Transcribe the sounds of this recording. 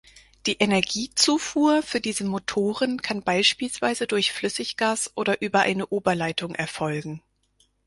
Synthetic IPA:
d̥iːʔenɛɐɡiːt͡suːfuːɐfyːɐdiːzəmotʰoːʁənkʰanbaɪʃpiːlsv̥aɪzədʊɐçflʏsɪçɡ̥aːsʔoːdɐʔyːbɐʔa̰ɪnəʔoːbɐlaɪtʰʊŋʔɛɐfɔlɡŋ̩

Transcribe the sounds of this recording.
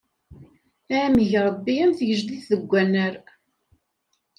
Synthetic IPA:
æməʝɾˤəbːijæmθʝəʒd̪iθðəɡʷːænːəɾ

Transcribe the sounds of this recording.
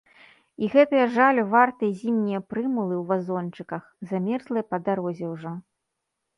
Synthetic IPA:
iɣɛt̪ɐjɐʐalʲuvart̪ɨjɐzʲimnʲijɐpɾɨmulˠɨwvazɔnt͡ʂɨkɐxzamʲɛrzlˠɨjɐpɐd̪aɾɔzʲɛwʐɔ

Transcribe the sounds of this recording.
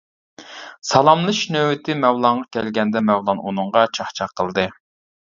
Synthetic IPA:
sɑlˠɑmlˠɨʃnøwɪt̪ʰɪmɛwlˠɑɴʁɑkʲʰɛlɡʲɛnd̪ɛmɛwlˠɑnunɨŋʁɑt͡ʃʰɑχt͡ʃʰɑqʰːəlˠd̪ɨ

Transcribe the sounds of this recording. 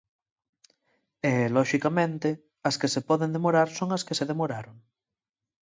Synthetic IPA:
eloʃikamẽnt̪e | askesepoðend̪emoɾaɾsoŋaskeseðemoɾaɾoŋ

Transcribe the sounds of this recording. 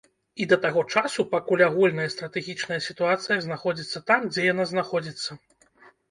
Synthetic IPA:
id̪ɐt̪aɣɔt͡ʂasupakulʲaɣulʲnɐjɐst̪ɾɐt̪ɛɣʲit͡ʂnɐjɐsʲit̪uat̪sɨjɐznaxɔd͡zʲit̪sːɐt̪amd͡zʲɛjanaznaxɔd͡zʲit̪sːɐ

